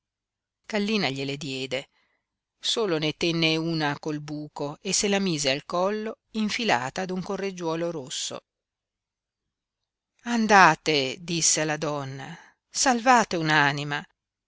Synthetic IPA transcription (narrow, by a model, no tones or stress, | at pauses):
ɡ̥alːiːnaʎeled̪jɛːd̪e | soːlonet̪ɛnːeuːnakolbuːkoesːelamiːzealkɔlːo | iɱfila̰ːt̪aːd̪uŋkorːed͡ʒwɔːloɾosːo̰ | and̪aːt̪ed̪isːealːad̪ɔnːa̰ | salvaːt̪eunaːnima